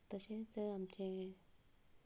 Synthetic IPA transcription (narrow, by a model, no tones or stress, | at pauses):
t̪əɕẽt͡səamt͡ɕẽ